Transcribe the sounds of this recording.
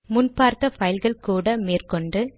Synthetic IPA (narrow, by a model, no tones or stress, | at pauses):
mʊnpaːɾt̪ɐfɐjɪlɣɐɭkuːɽɐmeːrkɔɳɖɯ